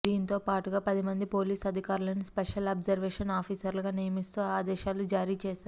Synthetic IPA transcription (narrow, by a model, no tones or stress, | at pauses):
d̪iːnit̪o̞ːpaːʈuɡaːpɐd̪imɐnd̪ipo̞ːliːsɐd̪ʱikaːɾulɐnispeʂɐlɐːbzɐɾʋɛːʂɐnaːpʰiːsɐɾlɐɡaːnijɐmist̪uːaːd̪ɛːʃaːlud͡ʒaːɾiːt͡ʃɛːʃaːɾu